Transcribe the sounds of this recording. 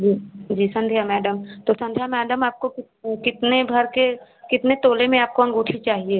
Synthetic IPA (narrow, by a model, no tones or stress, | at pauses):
d͡ʒiːd͡ʒiːsɐ̃nd̪ʱjamɛːɖəmt̪osɐ̃nd̪ʱjamɛːɖəmaːp̚kokɪ | kɪt̪nebʱɐɾke | kɪt̪net̪oːlemẽaːp̚koɐ̃ŋɡʊʈʰit͡ʃaːɦieː